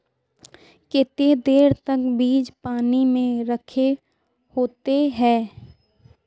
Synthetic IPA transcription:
kɪt̪ed̪eːɾt̪ɐkbiːd͡ʒpaːnimẽɾəkʰe | hoːt̪eɦɛ̃ː

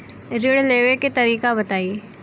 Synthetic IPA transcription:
ɾɪɽleːʋeket̪ɐɾiːkabɐt̪aːie

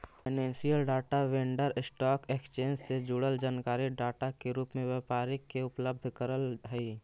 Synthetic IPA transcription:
pɪnẽːnsijəlɖaːʈaʋẽːɳɖəɾɪsʈɔːkeːkst͡ʃeːnd͡ʒsed͡ʒuɽəld͡ʒaːnkaːɾiɖaːʈakeɾuːpmẽʋɛːpaːɾɪkːeʊpləb̚d̪ʱkəɾəlɦɛiː

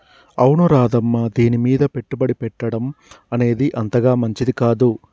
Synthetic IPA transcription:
ɐwɳuɾaːd̪ɐmːɐd̪iːnimiːd̪ɐpe̞ʈːubɐɽipɛʈːɐɽɐm | ɐne̞ːd̪iʔɐnt̪ɐɡaːmɐɲt͡ʃid̪ikaːd̪u

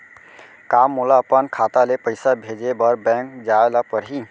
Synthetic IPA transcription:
kamːulaəpənkʰat̪alepəjsabʱed͡ʒebəɾbɛ̃ŋkd͡ʒaelapəɾɦĩ

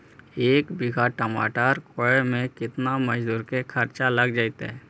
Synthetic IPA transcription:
eːkbɪɡʱaʈəma̰ːʈaːɾkoemẽkɪt̪namɐd͡ʒd̪uːɾkekʰɐɾt͡ʃaləɡd͡ʒaːit̪eɦɛ

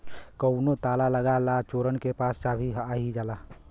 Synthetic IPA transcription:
kəʊnot̪alaləɡalat͡ʃoɾənkepast͡ʃabʱiɦaɦid͡ʒala

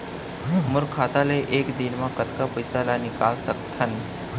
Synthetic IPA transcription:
muɾkʰat̪aleʔekd̪inmakət̪kapəjsalanikalsəkt̪ʰən

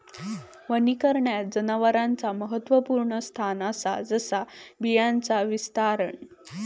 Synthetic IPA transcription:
ʋənikəɾɳjatd͡zənaʋəɾant͡saməɦət̪ːʋəpuɾɳəst̪ʰanasad͡zəsabijant͡saʋist̪aɾəɳ

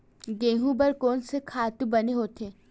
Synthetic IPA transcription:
ɡẽːɦũbɐɾkɔːnsekʰaːt̪ũbɐneɦoːt̪ʰeː

